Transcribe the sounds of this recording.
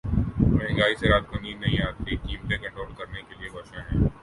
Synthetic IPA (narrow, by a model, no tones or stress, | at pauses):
mɐɦẽŋɡaːiseɾaːt̪̚kɐniːnːɐɦĩaːt̪ːikiːmt̪ẽkɐ̃ɳʈoːlkɐɾnekeliebɐʃãɦɛ̃ː